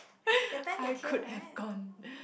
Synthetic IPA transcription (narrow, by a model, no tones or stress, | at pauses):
ajkʰʊd̚hɛvɡɔ̃n